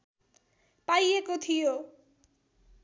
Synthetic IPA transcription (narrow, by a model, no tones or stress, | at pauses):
pajekot̪ʰijo